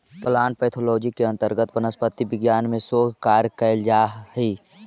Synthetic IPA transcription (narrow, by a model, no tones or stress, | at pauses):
pəlaːnpɛːt̪ʰoloːd͡ʒikeɐ̃nt̪əɾɡət̪pənəspət̪ːibɪɡjaːnmẽsoːɡʱkaːɾkəld͡ʒaːi